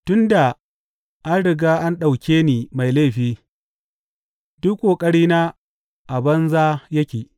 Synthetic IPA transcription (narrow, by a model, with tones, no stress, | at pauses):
tʊ˦nda˨ | ʔa˦nɽɪ˨ɡaː˦ʔa˦nɗa˨wkʲeː˦niː˨ma˨jle˦˨ɸiː˦ | dʊ˦kʷʼːoː˨kʼɐ˦ɽiː˦na˦ | ʔa˨bɐ˦nzaː˦jɐ˦kʲeː˨